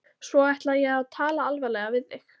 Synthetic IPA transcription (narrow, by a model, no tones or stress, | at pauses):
svɔajht̪lajɛɣaðt̪ʰaːlaalvɛlɛɣavɪðːɪx